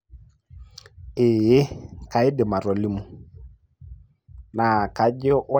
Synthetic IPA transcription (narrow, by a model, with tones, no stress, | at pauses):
ɪ˨je˦ka˨ɪ˦dɪ˨ma˨ɾɔ˨li˦mu˦ | na˨ka˨d͡ʒɔ˦ʔʊ˦